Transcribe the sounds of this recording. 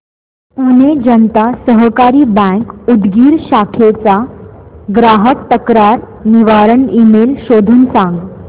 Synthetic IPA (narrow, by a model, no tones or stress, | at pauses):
puned͡ʑənt̪asəɦkaɾiːbə̃ŋkud̪ɡiːɾɕakʰet͡sa | ɡɾaɦək̚t̪əkɾaɾ | niʋaɾəɳimelɕod̪ʱuːnsãŋɡ